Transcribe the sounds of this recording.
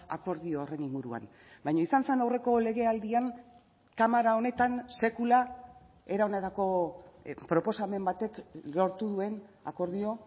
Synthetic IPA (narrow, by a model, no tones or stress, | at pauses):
ako̞ɾðio̞ːre̞niŋɡuɾua̰n | bajɲaisanse̞nawre̞ko̞le̞ɣe̞ald̪iaŋ | kamaɾao̞ne̞t̪anse̞kula | e̞ɾaonet̪ako̞ | pɾo̞po̞same̞mbat̪e̞klo̞ɾt̪uðue̞nako̞ɾðio̞